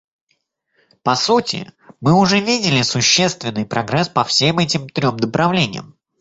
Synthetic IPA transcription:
pɐsutʲɪ̰mɨʊʐɛvʲidʲɪlʲɪsʊɕːe̞st̪vʲɪnːɨjpɾɐɡɾɛspɐfsʲemɛtʲɪmt̪ɾʲo̞md̪əpɾɐvlʲenʲɪ̰jə̰m

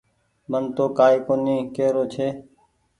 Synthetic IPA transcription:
mənt̪oːkaːiːkoniːkeːɾoːt͡ʃʰeː

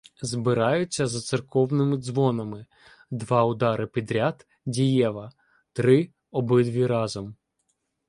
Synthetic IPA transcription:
zbɪɾɑjʊt͡sʲːɐzɐt̪sɪrkɔwnɪmɪd̪zʋɔnɐmɪ | d̪ʋɑʊd̪ɑɾɪpʲid̪ɾʲat̪ | dʲijɛʋɐ | t̪ɾɪ | ɔbɪd̪ʋʲiɾɑzɔm

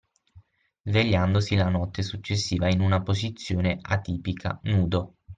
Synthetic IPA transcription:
zveʎːand̪osilanɔt̪ːesut͡ʃːesːiːvainunapozit̪sːjoːnea̰t̪iːpikʰa̰nuːd̪o

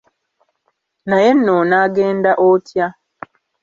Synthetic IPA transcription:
naje̞nːonaːɡeːndaʔotʰja

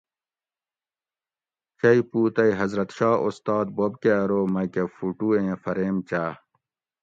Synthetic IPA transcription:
t͡ɕɐipuːt̪ɐiɦɐzɾɐt̪ɕɑːost̪ɑːd̪̚bobkeɐɾoːmɐkefuʈuːẽːfɐɾeːmt͡ɕaː

